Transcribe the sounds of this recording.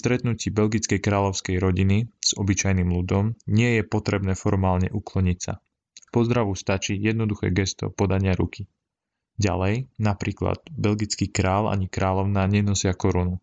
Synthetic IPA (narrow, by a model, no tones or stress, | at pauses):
st̪ɾɛt̪nuciːbɛlɡit͡skɛjkɾaːʎɔʊskɛjɾɔɟiniz̥ɔbit͡ʃajnimlud̪ɔmɲɪɛjɛpɔt̪ɾɛbnɛːfɔɾmaːlɲɛ̰ʔuklɔɲicsa̰ | pɔzd̪ɾaʋust̪at͡ʃiːjɛd̪̚nɔd̪uxɛ̰ːɡɛst̪ɔ̰pɔd̪aɲɪaɾṵki | ɟa̰lɛjnapɾiːkla̰d̪̥bɛlɡit͡skiːkɾaːla̰ɲikɾaːlɔʊnaːɲɛnɔsɪakɔɾunu